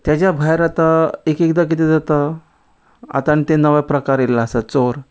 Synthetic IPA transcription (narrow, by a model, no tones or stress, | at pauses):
t̪jat͡ɕjabʱajɾat̪aekekd̪ak̬it̪ed͡zat̪a | a̰t̪añit̪enəʋapɾəkaɾelasat͡soɾ